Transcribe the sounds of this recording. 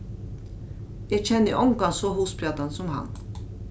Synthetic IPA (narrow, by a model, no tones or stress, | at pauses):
jæçɛnːəʔɔŋkɑnsoːɦuːspɾɑd̪ansɔmhɑ̰n